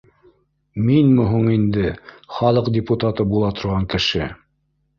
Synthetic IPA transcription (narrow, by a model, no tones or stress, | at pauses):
minmɵɦuɴind̪ɘχɑlˠɤqd̪ʲɪput̪at̪ɤbulˠɑt̪ŏɾʁɑŋkɘ̆ʃɘ